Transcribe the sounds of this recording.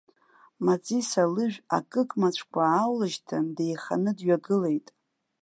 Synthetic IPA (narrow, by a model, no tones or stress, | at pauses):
mat͡sʼisalɨʒᶣa̰kʼɨkʼmat͡ɕʷʰkʷʰaːwlaʒtʰande̞jχa̰nɨdɥaɡɨle̞jtʼ